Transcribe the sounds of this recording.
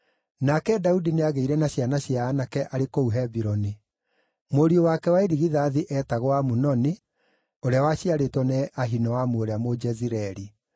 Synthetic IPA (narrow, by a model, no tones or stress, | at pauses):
nakɛdaudineaɣeiɾɛnaɕjanaɕjaːnakɛʔaɾekouɦɛbiɾɔni | moɾiowakɛwaeɾiɣiðaðiʔɛtaɣwamunɔni | oɾeawaɕiaɾetwɔnɛʔaɦinɔwamuoɾeamod͡ʒɛziɾɛɾi